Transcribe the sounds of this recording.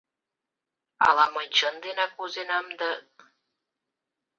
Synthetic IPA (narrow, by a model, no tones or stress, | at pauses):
ɑ̰lɑmənʲt͡ɕənd̪enɑkozenɑmd̪ɑ